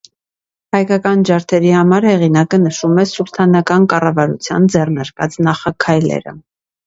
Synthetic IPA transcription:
hɑjkɑkɑnd͡ʒɑɾt̪ʰɛɾihɑmɑɾhɛʁinɑkənəʃumɛsuɾt̪ʰɑnɑkɑnkɑrɑvɑɾṵt͡sʰjɑ̰nd͡zɛrnɑɾkɑ̰t͡snɑχɑkʰɑjlɛ̰ɾə̰

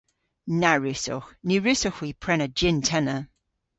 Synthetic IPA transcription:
naɹʉsɔ̰xniɹʉsɔxwipʰɹɛnəd͡ʒɪntʰɛnə

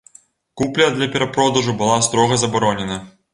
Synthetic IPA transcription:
kuplʲɐd̪lʲɐpʲɛɾɐpɾɔd̪ɐʐubɨlˠast̪ɾɔɣɐzɐbaɾɔnʲɛnɐ

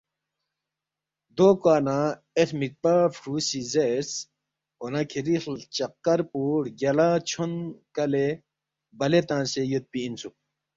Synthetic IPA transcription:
d̪oːkaːna | etʰmik̚pafʰɾuːsizes | onakʰiɾixlt͡ɕɐqːɐɾpuːɽɡʲɐlat͡ɕʰonkɐle | bɐlet̪ãːnsejut̪̚piːnsu

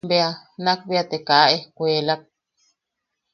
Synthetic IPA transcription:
beanãk̚βiat̪ekaʔʔekʷeːlak̚

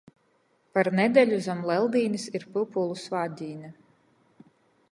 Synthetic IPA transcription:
paɾnɛd̪ʲɛlʲuzamlˠɛlˠd̪iːnisiɾpɨpulˠusvaːd̪ʲiːnɛ

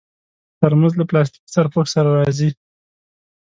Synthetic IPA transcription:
t̪əɾmanzlaplɑs̬t̪i̥ksaɾpoksaɾaɾɑzi

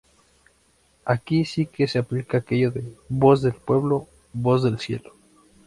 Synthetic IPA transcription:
akisikeseaplikaːke̞ʝoðeβo̞zðe̞lpwe̞βlo | βo̞zðe̞lsje̞̰lo̥

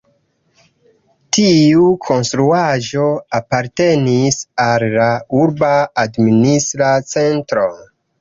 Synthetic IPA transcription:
tiukʰo̞nstɾuaʒo̞apaɾte̞nisalːauɾbaːdministɾat͡se̞ntɾo̞

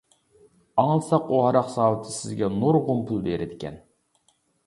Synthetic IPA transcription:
ɑŋlˠɨsɑquhɑɾɑqsɑːlˠɨt̪ʰɨsɪzɡʲɛnuɾʁʊmpʰulˠb̪ḛɾɪd̪ɪkʲʰɛ̰n

